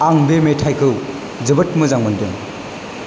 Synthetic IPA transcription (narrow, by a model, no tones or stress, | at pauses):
aŋbemetʰajkʰɯw | d͡ʒɐbɐt̚mɐzaŋmɐndɯŋ